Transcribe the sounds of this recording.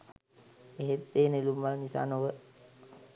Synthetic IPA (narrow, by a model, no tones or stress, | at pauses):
eɦet̪ːeːnilumʋalnisa̰ːnoʋə